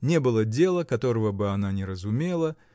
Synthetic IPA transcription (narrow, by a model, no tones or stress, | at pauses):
nʲe̞bɨlˠədʲe̞lˠəkɐt̪o̞ɾəvəbɨɐnanʲɪɾəzʊmʲe̞lˠə